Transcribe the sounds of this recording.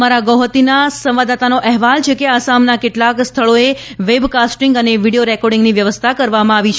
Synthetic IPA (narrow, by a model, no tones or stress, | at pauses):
maɾaɡɔɦt̪inasə̃mʋad̪at̪anoʔɛɦʋalt͡ʃʰekeasamnakeʈlakst̪ʰəɭoe | ʋebkasʈiŋɡəneʋiɽijoɾɛkɔɾɖĩŋɡniʋjəʋəst̪ʰakəɾʋamãaʋit͡ʃʰ